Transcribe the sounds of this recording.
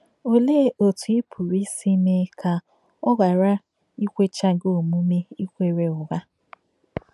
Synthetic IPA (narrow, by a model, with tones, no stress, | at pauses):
o˨leː˦o˨tu˨i˦pʰu˨ɾi˦si˦me˦kʰa˨ | ɔ˦ɡa˨ɾa˦ | i˦kʷe˦t͡ʃa˦ɡo˨mu˦me˦i˦kʷe˦˨ɾe˨ʊ˨ɡa˦